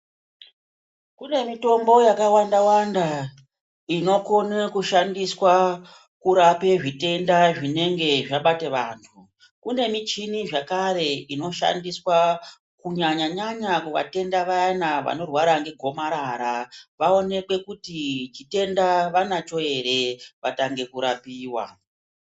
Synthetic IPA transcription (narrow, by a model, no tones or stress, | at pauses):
kune̞mito̞mbo̞jakawandawanda | ino̞ko̞nekuʃandiswa | kuɾape̞ʐite̞ndaʐine̞ŋɡe̞ʐaɓateʋa̰ːntʰu | kune̞mit͡ʃiniʐakaɾe̞ino̞ʃa̰ndiswa | kuɲaɲaɲaɲakuʋa̰te̞ndaʋaanaʋa̰no̞rwaɾaŋɡe̞ɡʱo̞maɾaːɾaʋao̞ne̞kwe̞kutit͡ʃite̞ndaʋanat͡ʃo̞e̞ɾe̞ʋataŋɡe̞kuɾapiːwa̰